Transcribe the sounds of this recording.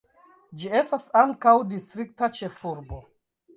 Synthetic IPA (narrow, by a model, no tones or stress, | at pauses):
d͡ʒie̞stasaŋkawdistɾik̚tat͡ʃe̞fuɾbo̞